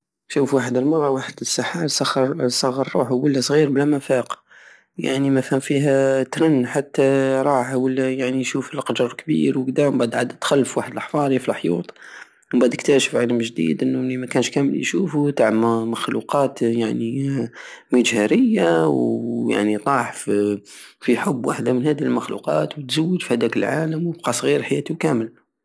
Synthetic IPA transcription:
ʃufwaħəd̪əlmɑɾˤːɑwaħəd̪əsːɑħaɾsˤɑxːɑɾsˤɑɣːɑɾˤːṵħwəlːæsˤɣiɾblæmæfæq | ja̰ʕnimæfhəmfiɦæt̪ɾˤɑnːħat̪ːæɾˤɑħwəlːæjaʕniʃufəlqɑd͡ʒəɾˤkbḭɾwəɡd̪æmbæʕd̪ʕad̪ət̪xælːəfwaħəd̪əlʔɑħfɑɾˤifilħjṵt̪ˤ | bad̪əkt̪æʃə̥fʕaləmʒd̪ḭd̪ʔənːuimækænʃkæməlḭʃufut̪aʕməxlṵqɑːt̪jaʕni | mid͡ʒhæɾəjːawja̰ʕnit̪ˤɑħf | fiħʊbːwaħd̪amənhæd̪iəlməxlṵqɑt̪wət̪zawːəd̪fihæd̪ækəlʕaləmwəb̚qɑsˤɣiːɾħajæt̪ikæməl

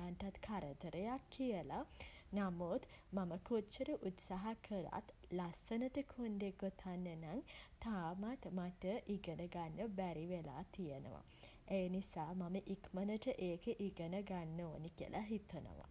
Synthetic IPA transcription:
anʈat̪kʰaɾət̪əɾəjakʰːijəlanamot̪maməkot͡ʃːəɾəʔut̪saɦakʰəɾa̰t̪lasənəʈəkʰond̪eɡot̪ʰanːənaŋt̪aːmat̪maʈəʔiɡənəɡanːəbæɾiʋela̰ːt̪ijənə̰ʋa̰ | ejənisaːmaməʔikmənəʈəʔeːkəʔiɡənəɡanːoːnikiə̰lʔaɦit̪ənə̰ʋa̰

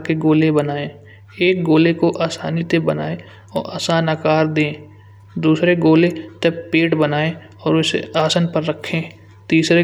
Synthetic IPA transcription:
keɡoːlebənaːẽː | eːk̚ɡoːlekoʔaːsaːnit̪ebəna̰ːe | ɔːɾa̰ːsaːnakaːɾd̪ẽː | d̪uːsɾeɡoːlet̪ɐbpeːʈbənaːẽ | ɔːɾʊsaːsənpəɾːəkʰːẽː | t̪iːsɾe

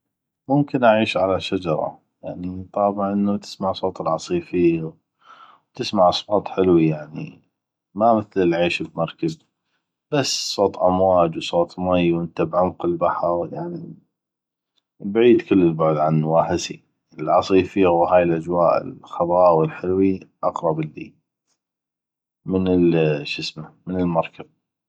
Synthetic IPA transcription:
mʊmkɪnʔaʕiːʃʕalaʃad͡ʒɑɾˤɑ̰ | jaʕnit̪ˤɑːbʕʔənːat̪ɪ̥smaʕsˤoːt̪ˤəlʕɑsˤiːfiː | wt̪ɪsmaʕʔɑsˤbɑːt̪ˤħɪlwijaʕnḭ | maməθlɪlʕiːʃɪbmɑɾˤkab | b̥asːsˤoːt̪ˤʔamwaːd͡ʒwsˤoːt̪ˤmajːwʔənt̪abʕʊmqɪlbaħɑɾˤjaʕni | bʕiːd̪kəlːəlbʊʕd̪ʕanːwaːħɪsḭ | əlʕɑsˤiːfiːwhaːjɪlʔad͡ʒwaːʔɪ̰lxɑðˤɑːwɪlħɪlwiʔɑqɾˤɑbɪlːḭ | mənəlʃəsmamənəlmɑɾˤkab̚

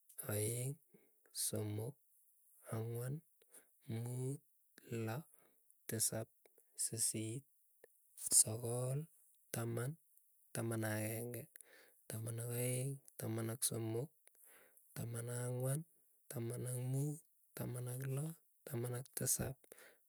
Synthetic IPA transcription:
aiŋ | somok̚ | aŋwan | mut̚ | la | tesap̚sisit̚ | sokol | taman | tamanakeŋɡetamanakaiŋtamanaksomok̚ | tamanaŋwan | tamanamut | tamanaklo | tamanak̚tesa̰p̚

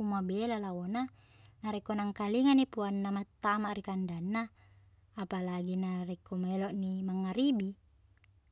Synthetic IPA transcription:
umabelalawona | naɾekonaŋkaliŋanipuanːamat̪ːamaʔrikandanːaː | palaɡinarekːomeloʔnimaŋːaɾibi

